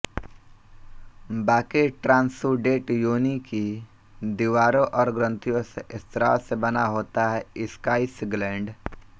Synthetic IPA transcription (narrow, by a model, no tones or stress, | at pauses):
baːkiʈɾãːnsuɖeːʈjoːniki | d̪iʋaːɾõʔɔːɾɡɾə̃nt̪ijõseʔɪst̪ɾa̰ːlsebɐnaɦoːt̪aɦɛɪskaːɪsɪŋɡlɛ̃ːɳɖ